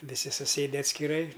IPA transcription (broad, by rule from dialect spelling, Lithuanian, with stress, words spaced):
ʋʲɪˈsʲɪ sʊˈsʲeːdʲɛ ɐtʲsʲkʲɪˈrɐɪ